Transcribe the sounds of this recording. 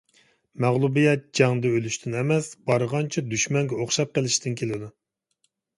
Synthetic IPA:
mæʁlˠubijɛt̪̚d͡ʒɑŋd̪ɨølyʃt̪ʰynɛmɛsbɑɾəʁɑnt͡ʃʰid̪yʃmɛŋɡʲɛoχʃɑp̚qəlˠɪʃt̪ʰɪnkʲʰelɪd̪u

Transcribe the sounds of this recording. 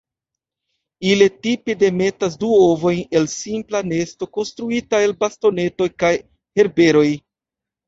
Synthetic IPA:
iletipede̞me̞tas̬duovo̞jne̞lsimplane̞sto̞ko̞nstɾuitae̞lbasto̞ne̞to̞jkaj | he̞ɾbe̞ɾo̞j

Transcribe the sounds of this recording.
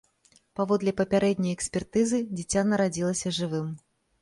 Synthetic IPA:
pavɔd̪lʲɛpɐpʲaɾɛd̪ʲnʲɐjɛksʲpʲɛrt̪ɨzɨd͡zʲit͡sʲːanɐɾad͡zʲilˠɐsʲɐʐɨvɨm

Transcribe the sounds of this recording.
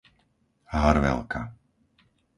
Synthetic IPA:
ɦaɾʋɛ̰lkʰa

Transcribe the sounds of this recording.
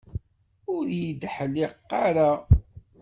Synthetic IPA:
ʊɾjid̪ħəlːɪqːaɾa

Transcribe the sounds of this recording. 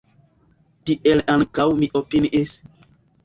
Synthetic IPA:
tiʔelaŋkawmiʔopiniʔis

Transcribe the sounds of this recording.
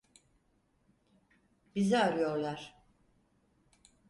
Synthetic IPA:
bizɛaɾɯjo̞ɾlˠaɾ̥

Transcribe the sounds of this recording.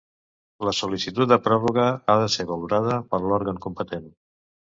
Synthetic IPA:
ləsulisit̪ut̪̚d̪əpɾɔβuɣəaðəseβəluɾað̞əpəɾlɔɾɣəŋkumpət̪en

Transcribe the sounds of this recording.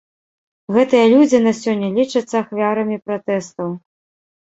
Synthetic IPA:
ɣɛt̪ɨjɐlʲud͡zʲinɐsʲɔnʲːɐlʲit͡ʂɐt̪sːɐːxvʲaɾɐmʲipɾat̪ɛst̪ɐw

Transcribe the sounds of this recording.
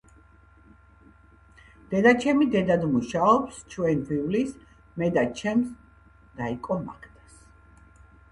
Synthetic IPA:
d̪̥ɛd̪at͡ʃʰɛmid̪ɛd̪ad̪muʃaɔpst͡ʃʰwɛnvivlis | mɛd̪at͡ʃʰɛms | d̪̥aikʼɔma̰kʰd̪ʰas

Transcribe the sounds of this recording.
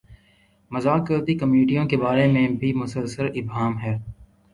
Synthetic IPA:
mɐzaːkəɾt̪ikəmjuːʈijõkebaːɾemẽbʱimʊsəlsəɾɪbɦaːmɦɛː

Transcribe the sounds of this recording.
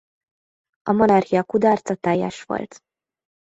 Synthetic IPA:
ɒmonɒrhijɒkud̪ɒːrt̪sɒt̪ɛjːɛ̰ʃʋo̞̰lt̪

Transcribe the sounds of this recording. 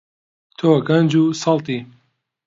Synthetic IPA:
t̪ʰoːɡɐnd͡ʒuːsɐlt̪iː

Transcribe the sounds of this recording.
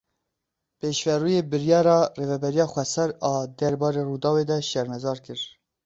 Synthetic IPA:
peːʃvɛruːjeːbɨɾjɑːɾɑːreːvɛbɛɾijɑːxʷɛsɛɾɑːd̪ɛɾbɑːɾeːruːd̪ɑːweːd̪ɛʃɛɾmɛzɑːɾkɨɾ

